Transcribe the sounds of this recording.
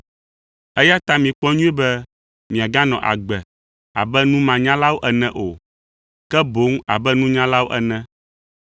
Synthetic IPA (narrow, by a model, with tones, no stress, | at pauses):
ɛ˦ja˦t̪a˦mĩ˨k͡pɔ˦ɲũ˦ɛ˦bɛ˦ | mĩ˨a˨ɡã˦nɔ̃˨ʔa̰˨ɡ͡bɛ˨ | a̰˨bɛ˦nũ˦mã˨ɲã˦la˦wo˦ʔɛ˨nɛ̃˨ʔo˨ | kɛ˦bo˨˦ŋ˦a˨bɛ˦nũ˦ɲã˦la˦wo˦ʔɛ̰˨nɛ̃˨